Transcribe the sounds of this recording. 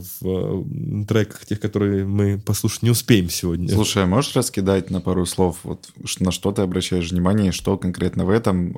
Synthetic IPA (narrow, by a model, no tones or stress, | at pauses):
v | t̪ɾɛkə̥xtʲe̞xkɐt̪o̞ɾɨjəmɨpɐslˠuʂə̥tʲnʲɪʊspʲejɪmsʲɪvo̞dʲnʲəlˠuʂəjɐmo̞ʐɨrəskʲɪd̪atʲnɐpaɾʊslˠo̞fvo̰t̪ʂnɐʂt̪o̞t̪ɨɐbɾɐɕːæjɪʂvnʲɪmanʲɪjəʂt̪o̞kɐnkɾʲe̞t̪nəvɛt̪əm